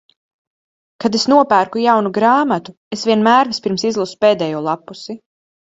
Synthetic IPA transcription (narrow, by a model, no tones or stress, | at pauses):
kad̪esnuɔpæːɾkujawnuɡɾaːmat̪u | esvʲiɛnmæːɾvispiɾmsizlˠusu̥peːd̪ɛːjuɔlˠapːusi